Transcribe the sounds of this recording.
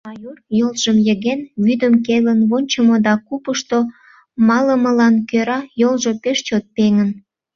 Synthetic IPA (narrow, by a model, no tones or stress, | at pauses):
ɑjorjolʒ̥əmjəɣenβyd̪əmkelənβonʲt͡ɕəmod̪ɑkupəʃt̪o | mɑləməlɑnkøɾɑjolʒopeʃt͡ɕot̪̚peŋən